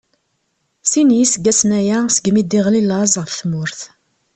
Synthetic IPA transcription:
sinjisəɡæsnæjæsəɡmid̪iʁlilɑzˤʁəfθmʊɾθ

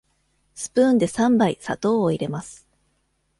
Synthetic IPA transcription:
sɨ̥pɯ̟̃ːnd̪e̞sãmbaisa̰t̪o̞ːoiɾe̞masɨ̥

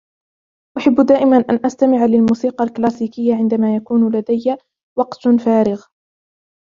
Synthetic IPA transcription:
ʔaħabːd̪aːʔɪmanʔanʔast̪amɪʕalɪlmuːsiːqɑlklaːsiːkɪjːaʕɪnd̪amaːjakuːnlad̪ajːa | wɑqt̪faːɾɪɣ

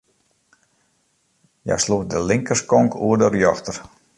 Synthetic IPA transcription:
ja̰jsludəlɪŋkəskɔŋkuədərjɔxtər

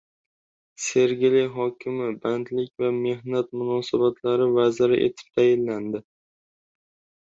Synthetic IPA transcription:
se̞ɾɡʲɪlɪjɦɒkʲʰɪmɪbant̪lɪkʲvame̞ɦnat̪mʊnɒsabat̪ʰlaɾɪvazɪɾɪʔḛt̪ʰɪ̥p̚t̪ʰajɪlːand̪ɪ

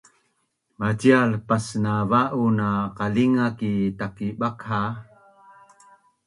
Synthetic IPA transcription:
mat͡ɕialpasnavaʔunaqaliŋakitakiɓakha

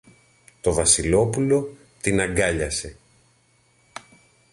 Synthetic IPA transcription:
t̪o̞vɐsilo̞pulo̞ | t̪inɐŋɡɐʎɐse̞

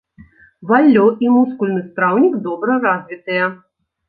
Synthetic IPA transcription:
valʲːɔʔimuskulʲnɨst̪ɾawnʲiɡd̪ɔbɾɐrazʲvʲit̪ɐjɛ

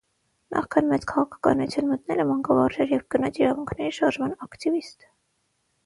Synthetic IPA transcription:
nʔɑ̰χkʰɑnmɛt͡sʰkʰɑʁɑkʰɑ̥kɑ̰nut͡sʰjunmət̪nɛləmɑŋkɑvɑrʒɛɾjɛvɡ̥ənɑt͡sʰiɾɑvuŋkʰnɛɾiʃɑɾʒmɑnɑkt̪ivist̪

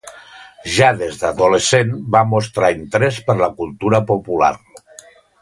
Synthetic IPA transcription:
ʒaðezðaðulesenbamost̪ɾaint̪ɾespəɾlakulˠt̪uɾəpopula̰ɾ

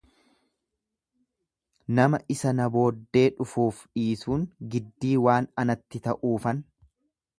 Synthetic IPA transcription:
nɐmɐʔɪsɐnɐbo̞ːd̪ːe̞ːᶑʊfuːfᶑiːsuːŋɡɪd̪ːiːwaːnɐnɐt̪ːɪt̪ɐʔuːfɐn

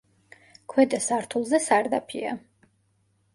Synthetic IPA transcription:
kʰwɛd̪ʼɛsaɾt̪ʰulˠzɛsaɾd̪apʰia̰

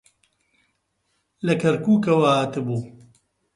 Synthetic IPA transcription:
lɐkɐɾkuːkɐwaat̪ɨbuː

